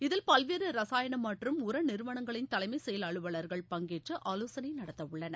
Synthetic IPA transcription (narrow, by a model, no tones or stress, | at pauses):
ɪðɪlpɐlʋeːɾɯɾɐsaːjɐɳɐmɐʈrɯmʊɾɐnɪɾɯʋɐɳɐŋɡɐɭɪnt̪ɐlɐɪmɐɪsɛjɐlɐɭɯʋɐɭɐɾɣɐɭpɐŋɡeːʈrɯʔaːloːsɐnɐɪnɐɽɐt̪ːɐʋʊɭːɐnɐ